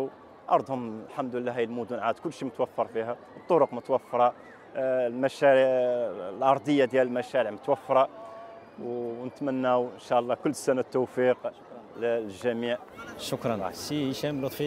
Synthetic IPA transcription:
ʔɑ̰ɾˤd̪ˤhʊmlħamd̪əlːæɦæjlmud̪ʊnʕad̪kʊlːʃimət̪wæfːɑɾˤfihæ | ət̪ˤːoɾʊqmət̪wæfːɾˤɑ | lmæʃæɾ | lʔɑɾˤd̪ˤəjːad̪jæləlmæʃæɾiʕmət̪wæfːɾˤɑ | wnət̪mænːæwʔənʃæʔɑlˤːɑkʊlːsænat̪ːufiq | lʒæmiʕʃʊkɾˤɑnsiʃæmlut̪ˤfi

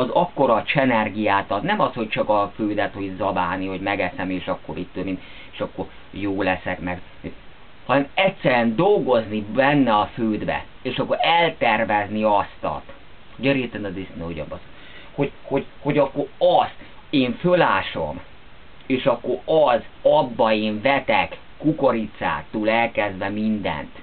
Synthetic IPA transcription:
ɒzɒkːo̞ɾɒt͡ʃɛnɛrɡijaːt̪ɒt̪nɛmɒsho̞c̚t͡ʃɒkɒføːd̪ɛt̪ho̞ɟzɒbaːniho̞ɟmɛɡɛsɛmeːʃɒkːo̰ɾit̪ːønim | eːʃɒkːo̞r | joːlɛsɛkmɛɡ | hɒnɛmɛtsɛɾɛnd̪o̞lɡo̞znibɛnːɛɒføːd̪bɛ̰ | eːʃɒkːoɾɛlt̪ɛrvɛzniɒst̪ɒ̰t̪ | ɟøɾet̪ɛnɒd̪isneoɟɒ̰bɒs | ho̞ɟho̞ɟho̞ɟɒkːo̞ɾɒst̪ | eːɱfølaːʃo̞̰m | eːʃɒkːo̞rɒzɒbːɒeːɱvɛt̪ɛkːukoɾit̪sa̰ːt̪ːuːlɛlkɛzd̪vɛmind̪ɛ̰nt̪

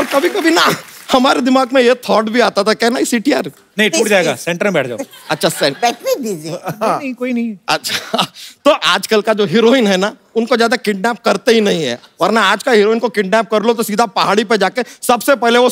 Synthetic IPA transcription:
ɔːɾkɐbʱikɐbʱinahɐmaːɾed̪ɪmaːɡmẽjet̪ʰɔːɾʈbʱiaːt̪at̪ʰakjɛɦnaɪsiʈiaːɾ | nɐɦĩʈuːʈd͡ʒaːeɡa̰sɛ̃ɳʈɾmbɛːʈʰd͡ʒaːoɐtːʃʰasɛ̃bɛʈbibid͡ʒiɐɦĩkoːinɐɦĩɐtːʃʰat̪oːʔaːd͡ʒkəlkad͡ʒoːɦɪɾoːɪnɦɛna | ʊnkozjaːd̪akɪʈnɛːp̚kɐɾt̪eɦinɐɦĩɦɛ̰ːɔːɾnaaːd͡ʒkaɦɪɾoːɪnkokɪʈ̚nɛːp̚kɐɾlot̪̬osiːd̪ʱapɐɦaːɽiped͡ʒaːkesɐbsepɛɦleʋo

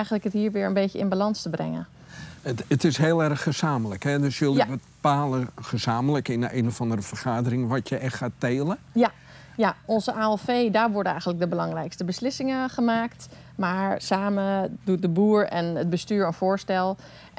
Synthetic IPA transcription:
ɛjχənləkətɦiːɹʋɪːɹənbeːjəɪnbalɑnstəbrɛ̰ŋə̰n | ətɪsɦeːlˠɛrxəz̥aːmələkhɛdøsjəlˠdʋətəpaːləχəz̥aːmələkɪnəʔenofɑndərəfərχaːdərɪŋʋɔtjəʔɛxxaːteːlə | ja | jaɔnzəʔaːɛlfeːdaːɹʋɔɹdənɛjxəntlək̚dəbəlɑŋrɛjkstəbəslɪsɪŋəχəmaːkt | maɹsaːmədut̚dəbuːɹɛnəd̚bəstyːɹənfoːɹstɛlˠ

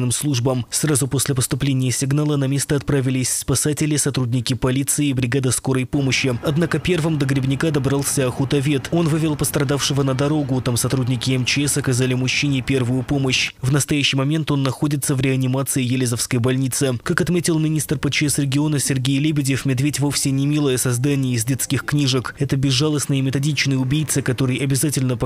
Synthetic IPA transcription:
nɨmslˠuʐbəmsrazʊpo̞sʲlʲɪpəst̪ʊplʲenʲɪjəsʲɪɡnalˠənɐmʲe̞st̪əɐt̪̚pɾavʲɪlʲɪsʲspɐsatʲɪlʲɪsɐt̪ɾudʲnʲɪkʲɪpɐlʲit̪sɨɪːbɾʲɪɡad̪əsko̞ɾəjpo̞məɕːɪɐd̪nakəpʲe̞rvɨmd̪əɡɾʲɪbnʲɪkad̪ɐbɾalˠsʲəɐxut̪ɐvʲe̞t̪o̞nvɨvʲɪlˠpəst̪ɾɐd̪afʂɨvənəd̪ɐɾo̞ɡʊt̪amsɐt̪ɾudʲnʲɪkʲɪɛmt͡ɕɪɛsɐkɐzalʲɪmʊɕːinʲɪpʲe̞rvʊjʊpo̞məɕvnəst̪ɐjæɕːɪjmɐmʲe̞nt̪o̞nːɐxo̞dʲɪt̪səvɾʲɪɐnʲɪmat̪sɨɪjɪlʲɪzəfskəjbɐlʲnʲit̪sɨkakɐt̪mʲetʲɪlˠmʲɪnʲist̪rpət͡ɕɛsɾʲɪɡʲɪo̞nəsʲɪrɡʲejlʲɪbʲɪdʲɪfmʲɪd̪vʲetʲvo̞fsʲɪnʲɪmʲilˠəjəsɐzd̪anʲɪjəɪzdʲet̪skʲɪxknʲiʐəkɛt̪əbʲɪzːalˠəsnɨjəmʲɪt̪ɐdʲit͡ɕnɨjəʊbʲijt̪sɨkɐt̪o̞ɾɨjɐbʲɪzatʲɪlʲnəp

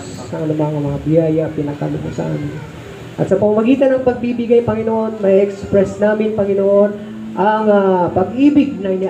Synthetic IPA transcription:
s | nɐŋɐlʊmaŋɐmɐŋabɪjaːjɐpɪnɐkɐ̰lʊɦo̰sɐ̰ʔa̰ːmɪn | ʔɐ̰t̪sɐpɐŋmɐɡiːt̪ɐnɐŋpɐɡ̚bibɪɡajpɐŋɪnoʔo̞nmɐʔiʔɛkspɹɛsnaːmɪnpɐŋɪnoʔo̞n | ʔɐŋapɐɡʔiːbɪɡ̚nɐnɪ

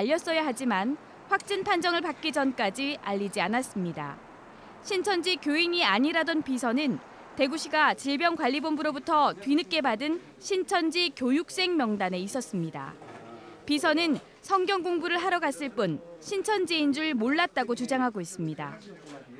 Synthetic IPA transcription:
aʎːʌs͈ʌjaɦad͡ʑiman | ɸwak̚t͡ɕ͈inpʰand͡ʑʌŋɯɭpak͈id͡ʑʌnk͈ad͡ʑiaʎːid͡ʑianas͈ɯmɲida̰ | ɕʰint͡ɕʰʌnd͡ʑikjoiɲiaɲiɾadonpisʰʌnɯn | te̞ɡuɕʰiɡat͡ɕiɭbjʌnkwaʎːibombuɾobutʰʌtwɥinɯk͈e̞badɯn | ɕʰint͡ɕʰʌnd͡ʑikjojuk̚s͈e̞ŋmjʌŋdane̞is͈ʌs͈ɯmɲida̰ | pisʰʌnɯn | sʰʌŋɡjʌŋɡoŋbuɾɯɭɦaɾʌɡas͈ɯɭp͈unɕʰint͡ɕʰʌnd͡ʑiind͡ʑuɭmoɭːat̚t͈aɡot͡ɕud͡ʑaŋɦaɡois͈ɯmɲida̰

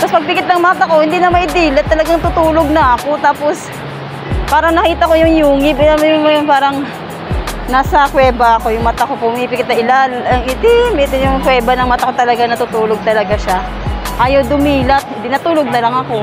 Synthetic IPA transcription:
t̪ɐspɐɡ̚pɪkɪt̪̚lɐŋmaːt̪ɐko̞hɪnd̪inɐmɐɪd̪ilɐt̪ːɐlɐɡaŋt̪ʊt̪uːloɡ̚nɐʔɐkot̪aːpos | paːɾɐŋnɐkiːt̪ɐkojʊŋjuːŋɪbɪɐmjʊŋmnpaːɾɐŋ | naːsɐkwɛːbɐɐko̞jʊŋmat̪ɐkopʊmɪpɪkɪt̪nɐʔɪlalɐŋɪd̪ɪmɪt̪ɪjʊŋkwɛːbɐnɐŋmat̪ɐkot̪ɐlɐɡanɐt̪ʊt̪uːloɡ̚t̪ɐlɐɡaʃa | ʔaːjɐwd̪ʊmiːlɐt̪̚hɪd̪ɪnat̪uːloɡ̚nɐlɐŋɐko̞

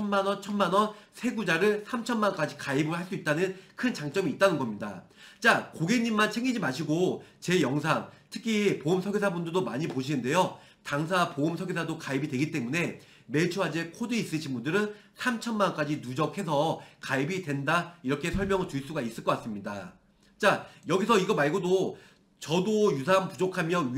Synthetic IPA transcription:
ʌnmanʌt͡ɕʰʌnmanʌnsʰe̞ɡud͡ʑaɾɯɭsʰamt͡ɕʰʌnmank͈ad͡ʑikaibɯɭɦaɭs͈uit̚t͈anɯnkʰɯnt͡ɕaŋt͡ɕ͈ʌmiːt̚t͈anɯnɡʌmɲida | t͡ɕ͈akoɡeɲːimːant͡ɕʰeŋɡid͡ʑimaɕʰiɡot͡ɕe̞jʌŋs̬ʰaŋtʰɯ̥kʰipoɯmsʰʌɡesʰabundɯɭdomaɲipoɕ̬ʰinɯnde̞jo | taŋs̬ʰapoɯmsʰʌɡesʰadokaibidwe̞ɡit͈e̞mune̞ | me̞t͡ɕʰuɦad͡ʑekʰodɯis͈ɯɕʰinbundɯɾɯn | sʰamt͡ɕʰʌnmank͈ad͡ʑinud͡ʑʌkʰe̞sʰʌkaibidwe̞ndaiɾʌkʰe̞sʰʌɭmjʌŋɯɭt͡ɕuiɭs͈uɡais͈ɯɭkʌk͈as͈ɯmɲida | t͡ɕ͈ajʌɡis̬ʰʌiɡʌmaɭɡodo | t͡ɕʌdojusʰanpud͡ʑokʰamjʌ

